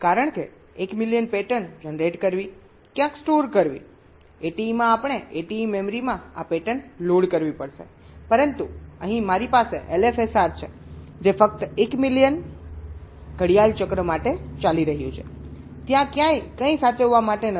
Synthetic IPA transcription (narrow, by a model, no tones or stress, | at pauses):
kaɾəɳke | ekmiljənpeʈənd͡ʒənɾeʈkəɾʋi | kjãksʈoɾkəɾʋḭ | eʈiːmãapɳ̃eeʈiːmemɾimãapeʈənloɽkəɾʋipəɽʃḛ | pəɾənt̪uəɦĩmaɾipaseʔelefesaɾt͡ʃʰed͡ʒefək̚t̪ekmilijən | ɡʱəɽijalt͡ʃəkɾəmaʈet͡ʃaliɾəɦjũt͡ʃʰet̪jãkjãjkə̃ĩsat͡ʃəʋːamaʈenə